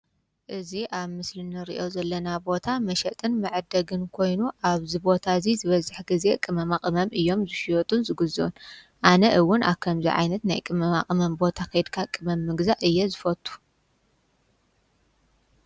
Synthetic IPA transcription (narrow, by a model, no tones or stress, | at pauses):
ʔɨziʔaβmɨslɨnɨɾḭʔo̞zɐlːɐnabo̞t̪ʰamɐʃɐt̪ʼɨnmɨʕɨd̪ɐɡɨnkʰo̞jnuʔaβzibo̞t̪ʰazizɨβɐzɨħɡize̞kʼɨmɐmakʼɨmɐmʔɨjːo̞mzɨʃijot̪ʼunzɨɡɨzɨʔun | ʔanɐʔɨwːʊna̰βkʰɐmzḭʕa̰jnɐt̪na̰jkʼɨmɐmakʼɨmɐmbo̞t̪ʰakɐjd̪kʰakʼɨmɐmːɨɡzaʔɨjːɛzɨfɐt̪ʼʰːu̥